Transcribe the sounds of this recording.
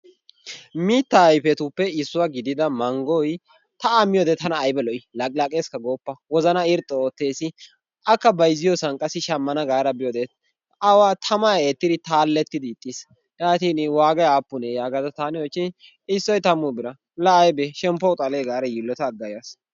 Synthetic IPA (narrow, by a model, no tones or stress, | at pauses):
miːt̪ːɐːjfɛt̪upːɛɪsːʊwaɡɪd̪ɪd̪ɐmɐŋɡɔj | t̪ɐamːɪjod̪ɛt̪ɐnɐːjbɛlɔʔɪlɐkʼlɐkʼeːskɐɡoːpːɐwɔzɐnɐɪɾt̪ʼːɔoːt̪ːe̞ːsɪ | ʔɐkːɐbɐjzɪjɔsɐnkʼɐsɪʃɐmːɐnɐɡaːɾɐbɪjod̪et̪ | ɐwaːt̪ʰɐmɐjeːt̪ːɪd̪ɪt̪aːlːɛt̪ːɪd̪ɪːt̪ʼːis | jaːt̪iːnwaːɡɐjaːpːʊnejaːɡɐzɐt̪aːnɛwɔt͡ʃːɪ | ɪsːɔjt̪ɐmʊbɪɾɐ | lɐːjbɛʃɛmpːɔʊt̪ʼɐleːɡaːɾɐjilːɔt̪ɐːɡːɐjas